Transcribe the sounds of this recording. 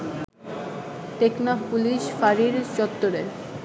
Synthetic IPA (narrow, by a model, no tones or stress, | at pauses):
t̪eknapuliʃfaɾiɾt͡ɕɔt̪ːoɾeɾ